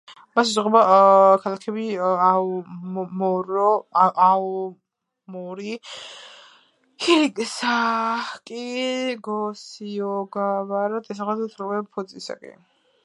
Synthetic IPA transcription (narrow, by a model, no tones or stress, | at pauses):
masuʁɛbakʰalakʰɛbia | mɔɾɔʔaɔ | mɔɾi | kʰiɾikʼsakʼiɡɔsiɔɡavaɾad̪ʰɛs̬aχad̪t̪ʰɾmɛpʰɔsʼisa̰kʼɛ̰